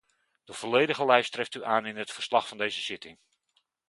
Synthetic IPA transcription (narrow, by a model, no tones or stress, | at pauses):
d̥əv̥olejdəχəlɛjstrɪftyʔaːnɪnɦətfərslɑχfɑndejzəsɪtɪŋ